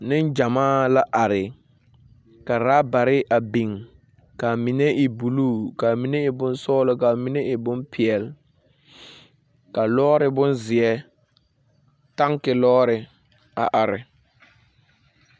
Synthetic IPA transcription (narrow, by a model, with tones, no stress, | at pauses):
nɪ˦nd͡ʒa˨maː˦˨la˦ʔa˨ɾɪ˨ | ka˨ɾaː˦ba˨ɾɪ˦a˨bi˨ŋ | ka˨mi˨nɛ˦ʔɪ˨bu˨luː˦˨ka˨mi˨nɛ˦ɪ˨bʊ˦nsɔː˦lʊ˦ka˨mi˦nɛ˦ʔɪ˨bʊ˦npʰɪ˨ɛ˨l | ka˨lɔː˦ɾɪ˦bʊ˦nzɪ˨ɛ˦ | ta˦ŋkɪ˨lɔː˦ɾɪ˨ | a̰˨ʔa˨ɾɪ̰˨